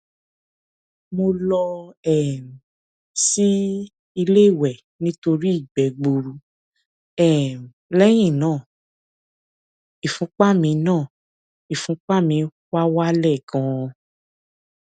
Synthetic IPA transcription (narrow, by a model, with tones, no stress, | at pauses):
mo˧lɔ˧ɛ˦˨m˨ | si˦ | i˧le˦˨wɛ˨ | nĩ˦to˧ɾi˦i˦˨ɡ͡bɛ˨˦ɡ͡bu˧ɾu˧ | ɛ˦˨m˨lɛ˦j̃ĩ˦˨nãː˦˨ | i˨fũ˨˦k͡pa˦mĩ˧˦nãː˦˨ | i˨fũ˨˦k͡pa˦mĩ˨˧ | wa˦wa˦lɛ˦˨kã˧